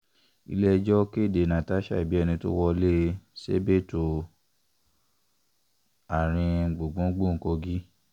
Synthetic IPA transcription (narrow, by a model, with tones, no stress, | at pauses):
ḭ˧lɛ˦d͡ʒɔ˦ke˦˨de˨nã˨ta˦ʃa̰˦˨i˨bi˨˦ɛ˧nĩ˧to̰˦wɔ˧le˦sḛ˦be˦˨to˨ | a˨ɾ̃ĩ˧ɡ͡bo˨ɡ͡bũ˨˦ɡ͡bũ˦˨˦ko˧ɡi˦